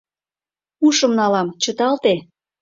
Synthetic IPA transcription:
uʃəmnɑlɑmt͡ɕət̪ɑlt̪e

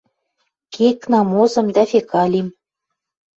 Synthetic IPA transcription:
keknɑmozɤ̆md̪ɑfekɑlʲim

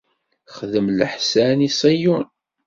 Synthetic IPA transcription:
χðəmləħsænisˤijun

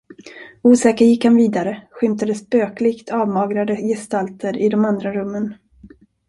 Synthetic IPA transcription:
uːsɛːkəɾjɪkhanviːd̪aɾəɧʏmt̪ad̪əspøːklɪɡt̪ʰɑːvmɑːɡɾad̪əjɛst̪alt̪ʰəɾɪd̪ɔmand̪ɾaɾɵmːən

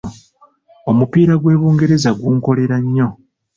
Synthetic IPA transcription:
o̞mupiːɾaɡwe̞ːβuːŋɡe̞ɾe̞zaɡuːŋko̞le̞ɾaɲːo̞

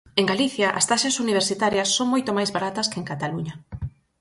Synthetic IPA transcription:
eŋɡaliθjɐʔɐst̪aʃɐsuniβ̞eɾsit̪aɾjɐsːoŋmojt̪omajzβaɾat̪ɐskeeŋkat̪aluɲɐ

